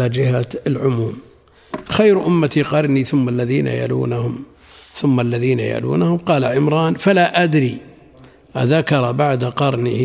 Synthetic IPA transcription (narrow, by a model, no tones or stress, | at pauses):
ad͡ʒɪɦaɪlʕʊmuːm | xajɾʔʊmːat̪iqɑɾˤniθʊmːalːaðiːna̰ja̰lṵːnahʊm | θʊmːalːaðiːna̰ja̰lṵːnahʊmqɑːlaʕɪmɾˤɑːnfalaʔad̪ɾi | ʔa̰ðakɑɾˤɑbaʕd̪aqɑɾˤnɪh